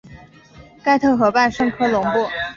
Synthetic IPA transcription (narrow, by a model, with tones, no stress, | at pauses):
ka˥˧ɪt̪ʰɤ˥˩xɤ˧˥pa˥˧nʂɤ˥˧ŋkʰɤ˥lʊ˧˥ŋpu˥˩